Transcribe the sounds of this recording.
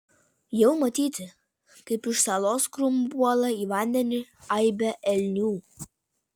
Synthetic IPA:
jɛʊmɐt̪ʲiːt̪ʲɪ | kɐɪpɪʃsɑːlˠoːskɾʊmbuɔlˠɐiːʋɑˑnʲd̪ʲɛnʲɪɐɪbʲɛʔɛlʲnʲuː

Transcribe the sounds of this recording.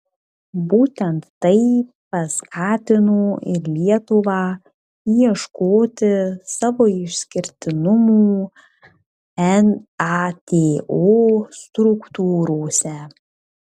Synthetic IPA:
buːt̪ʲɛnt̪ːɐɪ | pɐskʰɑːt̪ʲɪnoːɪ̰ɾlʲiɛt̪ʊʋɑː | jɛʃkoːt̪ʲɪsɑːʋoːɪʃʲsʲkʲɪɾʲt̪ʲɪnʊmuː | ɛnɑt̪ʲeːoːst̪ɾʊkt̪uːɾoːsʲɛ

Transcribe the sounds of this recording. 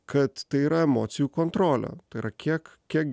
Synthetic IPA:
kɐt̪t̪ɐɪiːɾɐɛmoːt̪sʲɪjuːkɔnt̪ɾoːlʲɛ̰t̪ɐɪiɾɐkʲʰiɛkkʲiɛk̚

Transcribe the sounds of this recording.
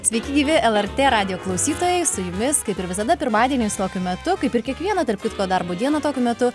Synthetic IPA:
sʲʋʲɛɪkʲɪɡʲiːʋʲɪʔɛlˠɛɾʲt̪ʲeːɾɑːd̪ʲɪjoːklˠɐʊsʲiːt̪oːjɛɪsʊjʊmʲɪskɐɪpɪɾʋʲɪsɐd̪ɐpʲɪɾmɑːd̪ʲiɛnʲiːɪst̪oːkʲʊmʲɛt̪ʊkɐɪpɪɾkʲiɛkʋʲiɛnɐt̪ɐrpkʲɪt̪koːd̪ɐɾboːd̪ʲiɛnoːt̪oːkʲʊmʲɛt̪ʊ

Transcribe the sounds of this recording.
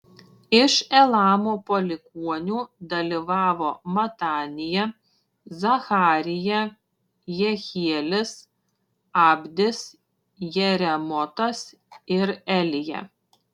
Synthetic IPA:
ɪʃɛlˠɑːmoːpolʲɪkuɔnʲuːd̪ɐlʲiʋɑːʋoːmɐt̪ɑːnʲɪjɛ | zɐxɑːɾʲɪjɛ | jɛxʲiɛlʲɪs | ɑːbʲd̪ʲɪs | jɛɾʲɛmɔt̪ɐs | ɪɾɛlʲɪjɛ̰

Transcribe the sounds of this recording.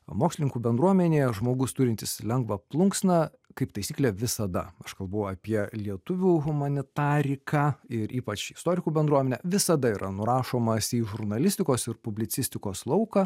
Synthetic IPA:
moːksʲlʲɪnʲɪŋkuːbʲɛnd̪ɾuɔmʲɛnʲeːjɛʒmoːɡʊst̪ʊɾʲɪnt̪ʲɪslʲɛŋɡʋɐplˠʊŋksnɐ | kɐɪpt̪ɐɪsʲiːklʲɛʋʲɪsɐd̪ɐ̰ɐʃkɐlˠbɐʊɐpʲiɛlʲiɛt̪ʊʋʲuːɣʊmɐnʲɪt̪ɑːɾʲɪkɑɪɾʔiːpɐt͡ʃɪst̪oːɾʲɪkuːbʲɛnd̪ɾuɔmʲɛnʲɛʋʲɪsɐd̪ɐiːɾʔɐnʊɾɑːʃoːmɐsʲiːʒʊɾnɐlʲɪsʲt̪ʲɪkoːsɪɾpʊbʲlʲɪtsʲɪsʲt̪ʲɪkoːslˠɐʊkɑ

